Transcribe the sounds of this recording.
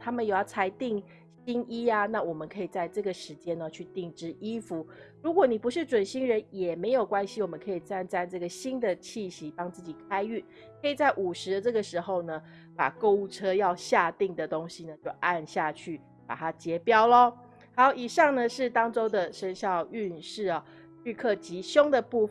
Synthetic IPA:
t̪ʰa˥mə˨nje˨˩jɑ˥˩ʊt͡sʰa˧˥ɪt̪i˥˩ŋ | ɕi˥ŋi˥a˨na˥˩wɔ˨˩mə˦nkʰɤ˧˥i˨˩t͡sa˥˧ɪʈ͡ʂɤ˥˩ɡə˩ʂɻ̩˧˥t͡ɕjɛ˥nə˨t͡ɕʰy˥˧t̪i˥˩ŋʈ͡ʂɻ̩˥ʔi˥fu˧˦ɻu˧˥kwɔ˨˦ni˨˩pu˧˥ʂɻ̩˥˩ʈ͡ʂwə˨˩nɕi˥ŋɻə˧˦njɛ˨˩me˧˥ɪjo˨˩ʊkwa˦˥nɕi˨wɔ˨˩mə˦ŋkʰɤ˧˥i˨˩t͡sa˥˧nt͡sa˥˧ɪʈ͡ʂɤ˥˩ɡə˩ɕi˥nd̪ə˨t͡ɕʰi˥˩ɕi˧˥t̪ɑ˥ŋt͡sɹ̩˥˩t͡ɕi˨˩kʰa˥ɪy˥˩ | kʰɤ˧˥i˨˩t͡sa˥˩ɪʔu˨˩ʂɻ̩˧˥d̪ə˧ʈ͡ʂɤ˥˩ɡə˩ʂɻ̩˧˥xo˥˧ʊnə˩ | pa̰˨˩ko˥˧˥ʊu˥˩ʈ͡ʂʰɤ˥jɑ˥˧ʊɕja˥˧t̪i˥˩ŋd̪ə˩t̪o˥ŋɕi˨nə˩t͡ɕjo˥˧ʊʔa˥˧nɕja˥˧t͡ɕʰy˥˩ | pa̰˨˩t̪ʰa˥t͡ɕjɛ˧˥pjɑ˥ʊlə˧ | ha˧˥ɪjo˧ʊi˨˩ʂɑ˥˩ŋnə˨ʂɻ̩˥˩t̪ɑ˥ŋʈ͡ʂo˥ʊd̪ə˨ʂə˥nɕjɑ˥˧ʊy˥˧nʂɻ̩˥˩ɐ˩ | ly˥˧kʰɤ˥˩t͡ɕi˧˥ɕjo˥ŋd̪ə˨pu˥˧

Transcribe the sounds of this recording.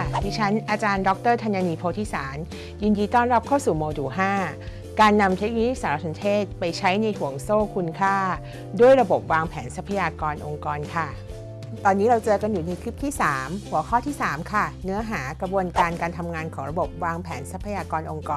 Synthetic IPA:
a˥˩diː˧˩t͡ɕʰa˦˥nʔaː˧t͡ɕaː˧ndɔ˦˥k̚t̪ɤː˥˩t̪ʰa˧njaː˧niː˧pʰoː˧t̪ʰiː˥˩saː˩˦n | ji˧njiː˧t̪ɔː˥˩nɾa˦˥p̚kʰaː˥˩wsuː˨˩moː˧duː˩ɦaː˥˩ | kaː˧nːa˧mt̪ʰeː˦˥k̚wi˦i˦˥saː˩˦ɾa˦˥˩so˨˦nt̪ʰeː˥˩t̪̚pa˧jt͡ɕʰa˦˥jna˧jhu˨˩˦əŋsoː˥˩kʰu˧nkʰaː˥˩ | du˥˩əjɾa˧bo˨˩p̚waː˧ŋpʰɛː˩˦nsa˦˥pʰːa˧jaː˧kɔː˧nʔo˧ŋkɔː˧nkʰa˥˩ | t̪ɔː˧nːiː˦˥ɾa˧wt͡ɕɤː˧ka˧njuː˨˩ni˧kʰɾi˦˥p̚t̪ʰiː˥˩saː˩˦mhu˨˩˦ɐkʰɔː˥˩t̪ʰiː˥˩saː˩˦mkʰa˥˩nɯ˦˥ɐɦaː˩˦kɾa˧bu˧ənkaː˧nkaː˧nt̪ʰa˧mŋaː˧nkʰɔː˩˦ŋɾa˧bo˨˩p̚waː˧ŋpʰɛː˩˦nsa˨˦˥pʰːa˧jaː˧kɔː˧nʔo˧ŋkɔː˧

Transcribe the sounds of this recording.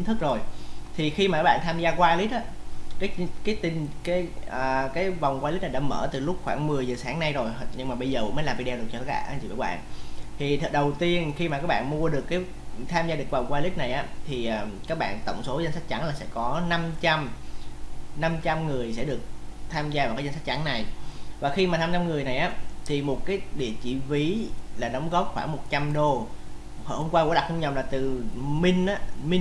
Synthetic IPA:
i˨˦nt̪ʰɨ˦˥k̚zo˨˩jt̪ʰi˨˩xi˧ma˨˩kaː˦˥ɓa̰ː˧˨t̪ʰaː˧mzaː˧kwaː˧li˦˥t̚ʔaː˨˦kaː˨˦˥kaː˨˦jt̪ï˨˩ŋkaː˨˦jəː˨˩kaː˨˦jva˨˩wŋ͡mkwaː˧li̟˦˥na˨˩ɗa̰ː˧˥mə̰ː˧˩t̪ɨ˨˩lʊ˦˥k͡p̚xwaː˧˩ŋmɨ˨˩əjzəː˨˩saː˨˦ŋna˧jzo˨˩jɲɨ˧ŋmaː˨˩ɓə˧jzəː˨˩ṵ˧˥mə˨˦la˨˩vi˧ɗɛ˧ɗɨ˨˩k̚t͡ɕɔ˧kːaː˦˥ɓa̰ː˧˩ʔnt͡ɕḭ˧˩ə̰ː˧˩jɓa̰ː˧˨nt̪ʰi˨˩t̪̚ʰɗə˨˩wt̪i˧ənxi˧ma˨˩kaː˦˥ɓa̰ː˧˨nmu˧əɗɨ˨˩əkːaː˨˦j | t̪ʰaː˧mzaː˧ɗɨ˨˩əkva˨˩wŋ͡mkwaː˧li˦˥t̚na˨˩jʔaː˨˦t̪ʰi˨˩ʔaː˨˩kaː˦˥k̚ɓa̰ː˧˨nt̪ə̰˧˨wŋ͡mso˨˦za˧nsa˦˥k̟̚t͡ɕa˨˦ŋlaː˨˩sɛ̰˧˥kɔ˨˦na˧mt͡ɕa˧m | na˧mt͡ɕa˧mŋɨ˨˩əjsɛ̰˧˥ɗɨ˨˩ək̚t̪ʰaː˧mzaː˧va˨˩kaː˨˦jznsa˦˥t̚t͡ɕa˨˦ŋna˨˩jvaː˨˩xi˧maː˨˩aː˧mt͡ɕa˧mŋɨ˨˩əjna˨˩jʔaː˨˦t̪ʰi˨˩mo˨˩t̚kaː˨˦jɗḭ˧˨ət͡ɕḭ˧vi˨˦laː˨˩ɗə˨˦wŋ͡mɣɔ˦˥p̚xwaː˧˩ŋmo˨˩t̚t͡ɕa˧mɗo˧ | hho˧mkwaː˧kṵ˧˥˦a˨˩k̚hu˧ɲə˨˩wlaː˨˩t̪ɨ˨˩mï˧ŋ̟ʔaː˨˦mi˧

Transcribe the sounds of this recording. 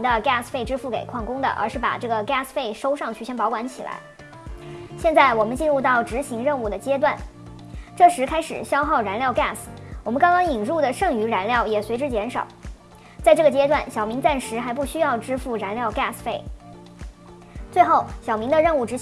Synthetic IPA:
ŋd̪ə˧ka˥˩sfe˥˩ɪʈ͡ʂɻ̩˥fu˥˩ke˨˩ɪkʰwɑ˥˩ŋkʊ˥ŋd̪ə̰˨ʔə̰˞˧˥ʂɻ̩˥˩pa̰˨˩ʈ͡ʂɤ˥˩ɡə˩ka˥˩sfe˥˩ɪʂo˥ʊʂɑ˥˧ŋt͡ɕʰy˥˩ɕjɛ˥npɑ˧˥ʊkwa˧˥nt͡ɕʰi˨˩lʔa̰˧˥ɪ | ɕjɛ˥˧nt͡sa˥˩ɪwɔ˨˩mə˦nt͡ɕi˥˧nɻu˥˧t̪ɑ˥˩ʊʈ͡ʂɻ̩˧˥ɕi˧˥ŋɻə˥˧nu˥˩d̪ə˩t͡ɕjɛ˥t̪wa˥˩n | ʈ͡ʂɤ˥˩ʂɻ̩˧˥kʰa˥ɪʂɻ̩˨˩ɕjɑ˥ʊxɑ˥˩ʊɻa˧˥nljɑ˥˧ʊka˥˩swɔ˨˩mə˦nkɑ˥ŋkɑ˥ŋi˨˩nɻu˥˩d̪ə˩ʂɤ˥˩ŋy˧˥ɻa˧˥nljɑ˥˩ʊjɛ˨˩swe˧˥ʈ͡ʂɻ̩˥t͡ɕjɛ˧˥nʂɑ̰˨˩˦ʊ | t͡sa˥˧ɪʈ͡ʂɤ˥˩ɡə˩t͡ɕjɛ˥t̪wa˥˩nɕjɑ˨˩ʊmi˧˥ŋt͡sa˥˩nʂɻ̩˧˥xa˧˥ɪp̬u˥˩ɕy˥jɑ˥˧ʊʈ͡ʂɻ̩˥fu˥˩ɻa˧˥nljɑ˥˧ʊka˥˩sfe˥˩ɪ | t͡swe˥˧ɪxo˥˩ʊɕjɑ˨˩ʊmi˧˥ŋd̪ə˧ɻə˥˧nu˥˩ʈ͡ʂɻ̩˧˥ɕ

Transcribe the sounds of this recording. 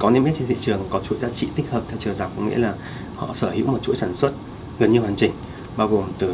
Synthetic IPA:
kɔ˨˦ne˧mʔe˦˥t͡ɕe˧nt̪ḭ˧˨t͡ɕɨ˨˩əŋkɔ˨˦t͡ɕu˧˥jzaː˨˦t͡ɕḭ˧˨t̪ï˦˥k̟̚həː˨˩p̚t̪ʰɛ˧wt͡ɕɨ˨˩zaː˨˩wk̚ɔ̰˨˦ŋ͡mŋḭ˧˥laː˨˩ | hɔ̰˧˨səː˧˩hḭ˧˥wmo˨˩t͡ɕṵ˧˥jsaː˧˩nswə˦˥t̚ | ɣə˨˩nɲɨ˧hwaː˨˩nt͡ɕï˨˩ŋ̟ | ɓaː˧wɣo˨˩mt̪ɨ˨˩

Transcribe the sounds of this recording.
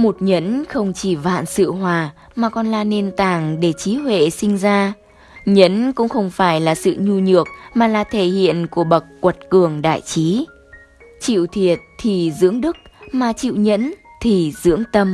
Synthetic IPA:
mo˨˩t̚ɲə˨˦˥nxə˧wŋ͡mt͡ɕi˧˩va̰ː˧˨nsɨ̰˧˨ɦwaː˨˩ | maː˨˩kɔ˧nlaː˧ne˧nt̪aː˧˩ŋɗe˧˩t͡ɕi˨˦hwḛ˧˨sï˧ŋ̟zaː˧ | ɲə˨˦˥nkʊ̰˧˥ŋ͡mxə˧wŋ͡mfaː˧˩jlaː˨˩sɨ̰˧˨ɲu˧ɲɨ˨˩ək̚maː˨˩laː˨˩t̪ʰe˧˩hḭ˧˨ənku˧˩əɓə˨˩kkːwə˨˩t̚kɨ˨˩əŋɗa̰ː˧˨jt͡ɕi˨˦ | t͡ɕḭ˧˨wt̪ʰi˨˩ət̚t̪ʰi˨˩zɨ̰˧˥əŋɗɨ˦˥k̚maː˨˩t͡ɕḭ˧˨wɲə̰˧˥nt̪ʰi˨˩zɨ̰˧˥əŋt̪ə˧m

